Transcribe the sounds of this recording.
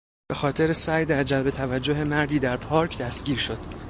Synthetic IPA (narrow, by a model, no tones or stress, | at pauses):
b̥e̞xɒːt̪ʰe̞ɾesæːjd̪æɾd͡ʒælbe̞t̪ʰævæd͡ʒːo̞ɦe̞mæɾd̪iːd̪æɾpʰɒːɾcʰd̪æst̪ɟʲiːɾʃo̞d̪̥